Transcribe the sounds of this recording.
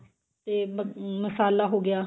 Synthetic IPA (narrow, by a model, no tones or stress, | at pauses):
t̪eːməsaːlːaːɦoːɡɪjaː